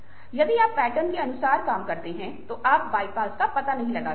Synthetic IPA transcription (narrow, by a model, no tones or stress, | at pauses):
jɐd̪iaːpːɛːʈənkeɐnʊsaːɾkaːmkɐɾt̪eɦɛ̃t̪oʔaːpʋaːɪpaːskapɐt̪anɐɦĩlɐɡaː